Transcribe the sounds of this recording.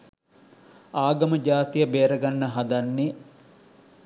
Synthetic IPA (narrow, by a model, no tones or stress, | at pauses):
aːɡɐməd͡ʒaːt̪ijəbeːɾəɡanːəɦad̪anːe